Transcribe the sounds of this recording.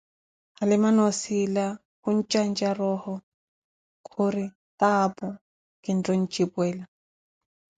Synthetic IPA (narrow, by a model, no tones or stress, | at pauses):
halɪmanɔsila | hun̩t͡ʃʼand͡ʒarɔhɔ | kʰʊɾɪ | taːpɔ | kɪn̩tɔn̩t͡ʃʼipwɛːla